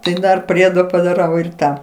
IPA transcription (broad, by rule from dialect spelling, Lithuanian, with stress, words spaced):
ˈtɐɪ ˈdɐr ˈpʲrʲiɛdoː pɐdɐˈrɐʊ ɪr ˈtɑː